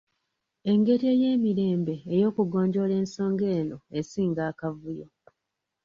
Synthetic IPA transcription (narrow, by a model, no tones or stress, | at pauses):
e̞ŋɡe̞te̞ːje̞ːmiɾe̞ːmbe̞ːjo̞ːkuɡo̞ːɲɟo̞le̞ːnso̞ːŋɡe̞ːno̞esiːŋɡaːkavujo̞